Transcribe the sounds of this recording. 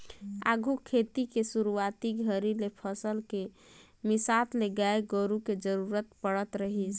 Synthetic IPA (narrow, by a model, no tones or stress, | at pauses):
a̰ɡʱukʰet̪ikesuɾuat̪iɡʱəɾilepʰəsəlke | misat̪leɡaeɡoɾuked͡ʒəɾuɾət̪pəɽət̪ɾəɦit͡ʃʰ